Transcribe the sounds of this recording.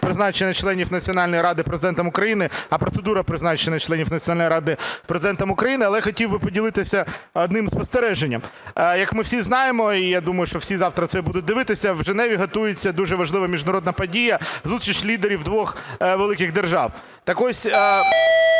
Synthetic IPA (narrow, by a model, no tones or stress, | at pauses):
pɾɪznɑt͡ʃenʲːɐt͡ʃlˠɛnʲifnɐt͡sʲiɔnɑlʲnɔjɾɑd̪ɪpɾezɪd̪ɛnt̪ɐmʊkɾɐjinɪɐpɾɔt̪sed̪uɾɐpɾɪznɑt͡ʃenʲːɐt͡ʃlˠɛnʲifnɐt͡sʲːnalʲnjɾɑd̪ɪpɾezɪd̪ɛnt̪ɐmʊkɾɐjinɪɐlˠɛjxɔtʲiwbɪpɔdʲilˠɪt̪ɪsʲɐɔd̪nɪmspɔst̪eɾɛʒenʲːɐ̰mjɐkmɪwsʲiznɑjemɔijad̪umɐjʊʃt͡ʃɔwsʲizɑwt̪ɾɐt̪sɛbud̪ʊt̚ʲd̪ɪʋɪt̪ɪsʲɐwʒenɛʋʲiɦɐt̪ujet͡sʲːɐd̪uʒɛʋɐʒlˠɪʋɐmʲiʒd̪ɐɾɔd̪nɐpɐdʲijɐzust̪ɾʲit͡ʃʲlʲid̪eɾʲiwd̪ʋɔxʋelˠɪkɪɣd̪erʒɑ̰w | t̪ɐkɔsʲ